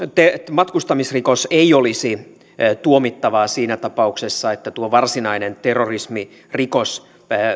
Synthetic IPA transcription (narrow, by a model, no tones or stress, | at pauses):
t̪emɑt̪kust̪ɑmisrikoseiolisi | t̪uomit̪ːɑʋɑːsiːnæt̪ɑpɑuksesːɑet̪ːæt̪uoʋɑrsinɑinent̪erːorismi | rikos